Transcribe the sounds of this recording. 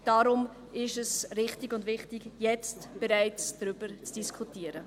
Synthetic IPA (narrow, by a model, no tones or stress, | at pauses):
d̥aɾʊm | ɪʃɛsɾɪχtɪɡʊndvɪχtɪɡjɛt͡stb̥ɛɾaɪt͡sd̥ɾʏb̥əɾt͡sd̥iskʰutiːəɾə